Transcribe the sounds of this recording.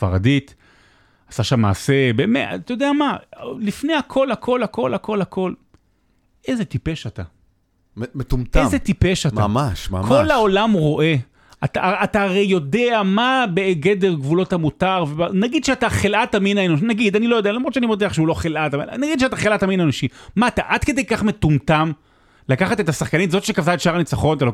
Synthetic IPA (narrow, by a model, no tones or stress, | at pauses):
fa̰ʁadit̪ | asaʃamːa̰ːse̞bemea̰t̪ajo̞d̪eamalifne̞jakʰo̞lhakʰo̞lhako̞lako̞lhako̞l | ʔezet̪ipe̞ʃat̪a̰ | metumt̪ezet̪ipeʃata̰maʃma̰kʰolhao̞lamʁo̞ʔe̞ | at̪a̰ataːʁejjo̞deamabeɡe̞deʁɡvulo̞thamutaʁvebanaɡid̥̪ʃeataχelʔataminaenoʃnaɡid̪anilo̞jo̞dealamʁod̪ʃeanimod̪eaχʃeulo̞χelʔataminaɡid̪ʃeɛat̪aχelʔataminaenoʃimaːt̪aʔad̪kedejkaχmetumtam | lakaχat̪et̪asaχkanitzo̞t̪ʃekavtaetʃaʁanit͡saχonat̪alo